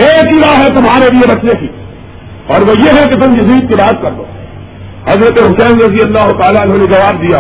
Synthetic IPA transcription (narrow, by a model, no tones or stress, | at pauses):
eːkiɾaːɦɛt̪ʊmɦaːɾeliebɐt͡ʃnekiː | ɔːɾʋojeɦɛket̪ʊmjɐziːd̪̚keɾaːt̪kɐɾd̪o̰ː | hɐzɾət̪eɦʊsɛ̃ːnɾɐzijɐlːaːɦʊt̪aːlaʊnɦõːned͡ʒɐʋaːb̚d̪ijaː